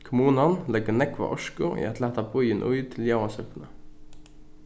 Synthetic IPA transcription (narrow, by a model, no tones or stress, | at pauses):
kʰʊmuːnɑnlɛɡənɛkʰʋɑ̰ʔɔʃkʊʔḭːɛt̪ʰlæːt̪ɑbʰɔʏənʔʊ̰ʏt̪ʰɪljɑɑsœknə